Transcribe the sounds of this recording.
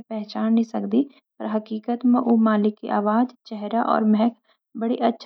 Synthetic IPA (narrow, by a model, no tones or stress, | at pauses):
pɛɦt͡ʃaːnnĩsɐkd̪i | pɐɾɦɐkiːkət̪mẽʔomaːlɪkːḭʔaːʋaːd͡ʒt͡ʃɛɦɾaʔɔ̰ːɾmɛɦɛkʰ | bɐɽiʔɐtːʃʰ